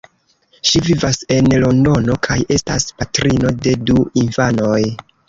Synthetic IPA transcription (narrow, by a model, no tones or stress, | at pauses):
ʃivivase̞nlo̞ndo̞no̞kʰaje̞sta̰spatɾino̞de̞duinfano̞j